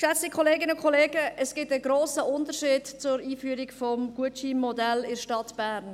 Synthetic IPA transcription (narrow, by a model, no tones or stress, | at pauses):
ʃɛt͡sikʰoleːɡɪnəʊnkʰoleːɡ̥əʔɛsɡ̥ɪtəɡɾoːsəʊndəɾʃɪːdt͡sʊɾiːfyəɾɪkfɔmɡ̥uətʃiːmːɔdɛlɪɾʃtɑtb̥æːɾn